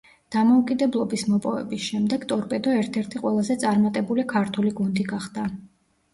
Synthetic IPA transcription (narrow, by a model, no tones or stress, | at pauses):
d̪̥amɔukʼid̪ɛblˠɔbismɔpʼɔvɛ̰bisʃɛmd̪ɛɡt̪ʼɔɾpʼɛd̪ɔɛɾt̪ʰɛɾt̪ʰiqʼwɛlˠazɛt̪sʼaɾmat̪ʼɛbulikʰaɾt̪ʰuliɡund̪iɡaχd̪̥a